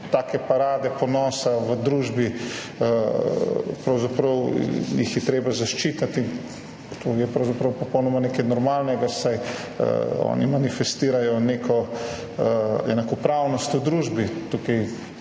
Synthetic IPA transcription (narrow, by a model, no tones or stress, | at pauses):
t̪aːkɛpaɾaːd̪ɛpɔnɔːsaʋəd̪ɾuːʒbi | pɾɐwzapɾɐwjixjɛt̪ɾeːbazaʃt͡ʃiːt̪at̪in | t̪ojɛpɾɐwzapɾɐwpɔpɔwnɔmanekɛjnɔɾmaːlnɛɡasaj̰ | ɔ̰ːnimanifɛst̪iːɾajɔnekʰɔ | ɛ̰nakɔpɾawnɔst̪ud̪ɾuːʒbit̪ukɛj